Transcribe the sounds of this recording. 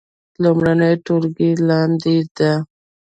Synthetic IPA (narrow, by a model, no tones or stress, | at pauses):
lumɾanəjʈolɡilɑnd̪id̪a